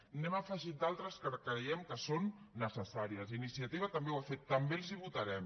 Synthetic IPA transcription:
nɛmafəʒit̪̚d̪alˠt̪ɾəskəkɾəjɛmkəsonːəsəsaɾiəsinisiət̪iβ̞ɐt̪əmbewafet̪ːəmbelˠziβut̪ɐɾɛm

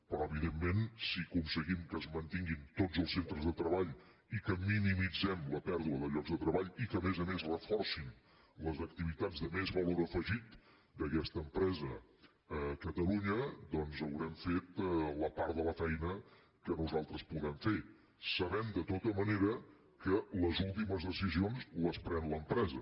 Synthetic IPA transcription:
pɾɔəβiðemːensikunsəɣimkəːzmənt̪iŋɡint̪od͡zəlˠsent̪ɾəzðət̪ɾəβaʎ | ikəminimid͡zɛmləpɛɾðuəðəʎɔɡzðət̪ɾəβaʎikəmɛzəmezrəfɔrsin | ləzək̚t̪iβit̪ad͡zðəmezβəloɾəfəʒit̪ | d̪əkɛst̪əːmpɾɛzə | əkət̪əluɲəd̪ɔnzəwɾɛmfet̪ləpaɾðələfɛjnə | kənuzalˠt̪ɾəspuðɛmfe | səβɛmd̪ət̪ot̪əməneɾə | kələzulˠt̪iməzðəsizionzləspɾɛnləmpɾɛzə

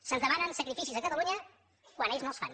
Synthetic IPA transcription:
sənzðəmanənsəkɾifisizəkət̪əluɲə | kwaneʎznosfa̰n

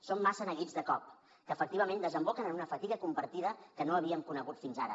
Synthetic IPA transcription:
somːasənəɣid͡zðəkɔp̚ | kəːfək̚t̪iβəmend̪əzəmbokənənunəfət̪iɣəkumpəɾt̪iðəkənoəβiəmkunəɣut̪finzaɾə̰

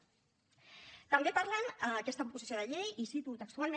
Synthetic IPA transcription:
t̪əmbepaɾlənəːkɛst̪əupuzisioðəʎejisit̪ut̪əkst̪ualˠme

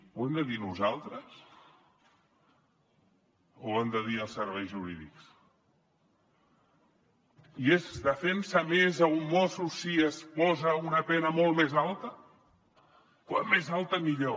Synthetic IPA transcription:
wɛmd̪əðinuzalˠt̪ɾəs | oemd̪əðiəlˠsəɾβɛjzʒuɾḭðḭks | iezd̪əfɛnsəmezəummɔsusiəspɔzəunəpɛnəmɔlˠmezalˠt̪ə | kwammːezalˠt̪əmiʎo

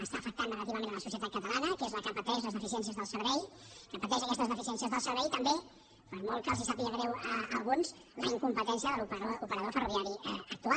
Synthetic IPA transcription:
əst̪afək̚t̪anrəɣət̪iβəmẽnələsusiət̪at̪kət̪əlanəkezləkəpət̪ɛʃləzðəfis̬iɛns̬iəzðəlˠsəɾβɛj | kəpət̪ɛʒəkɛst̪əzðəfisiɛns̬iəzðəlˠsəɾβɛjt̪əmbe | pəɾmɔlˠkazisapiəɣɾɛwəəlˠɣunz | ləiŋkumpət̪ɛnsiəðəlupoupəɾəðofəruβiaɾiək̚t̪ua

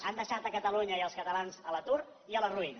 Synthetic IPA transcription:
and̪əʃat̪əkət̪əluɲəiəlˠskət̪əlanzələt̪uɾ | iələruinə

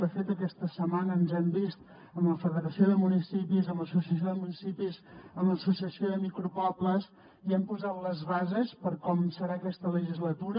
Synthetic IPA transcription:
əfet̪əkɛst̪əsəmanəːnzɛmbist̪ | əmləfəðəɾəsioðəmunisipizəmləsusiəsjoðəmunisipizəmləsusiəsioðəmikɾupɔpləs | iɛmpuzat̪ləzβazəspəɾkɔmsəɾaːkɛst̪ələʒizlət̪uɾə

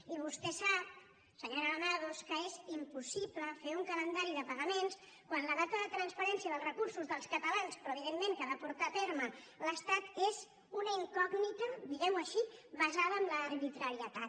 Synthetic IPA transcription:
iβ̞ust̪ɛsap̚ | səɲoɾənaðoskəezimpusipləfeuŋkələnd̪aɾiðəpəɣəmens | kwanləðat̪əðət̪ɾənspəɾɛnsiəðəlˠzrəkuɾsuzðəlˠskət̪əlanspɾɔəβiðemːeŋkəðəpuɾt̪at̪eɾmə | ləst̪at̪ez | unəiŋkɔɡnit̪əd̪iɣɛmuəʃiβəzaðəːmləːɾβit̪ɾəɾiət̪at̪

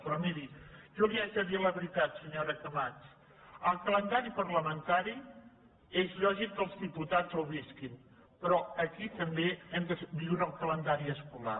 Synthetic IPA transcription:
pɾɔmiɾiʒɔliaʒəðiələβɾit̪at̪səɲoɾəkəmat͡ʃ | əlˠkələnd̪aɾipərləmənt̪aɾi | ezʎɔʒik̚d̪əlˠzðiput̪azəwβiskin | pɾɔəkit̪əmbeɛmd̪əsbiwɾəːlˠkələnd̪aɾiəskula̰

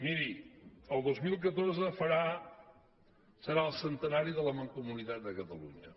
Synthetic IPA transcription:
miɾiəlˠd̪ozmilˠk̬ət̪oɾzəfəɾa | səɾaəlˠsənt̪ənaɾiðələməŋkumunit̪at̪̚d̪əkət̪əlṵɲə

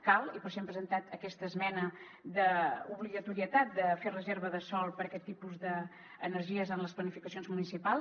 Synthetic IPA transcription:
kalˠipəseɛmpɾəzənt̪at̪əkɛst̪əːzmɛnə | d̪əuβliɣət̪uɾiət̪at̪̚d̪əferəzeɾβəðəsɔlˠpəɾəkɛt̪ːipuzðəː | nəɾʒiəzənləsplənifikəsijonzmunisipalˠ

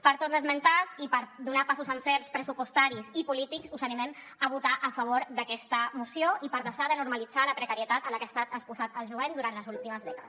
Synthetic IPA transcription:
pəɾt̪ot̪ðəzmənt̪at̪ipəɾd̪unapasuzəɱfɛɾspɾəsupust̪aɾisipulit̪iksuzənimɛm | əβ̞ut̪aʔəfəβ̞oɾd̪əkɛst̪əmusjoipəɾðəʃaðənuɾməlid͡zaləpɾəkəɾiət̪at̪ələkəast̪at̪əspuzat̪əlˠʒuβɛnd̪uɾant̪ləzulˠt̪iməzðɛkəðəss

